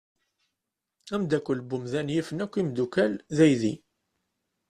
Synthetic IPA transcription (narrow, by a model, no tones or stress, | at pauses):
æmd̪ækʷːəlbʊmðænjifənækʷːimd̪ukælðæjði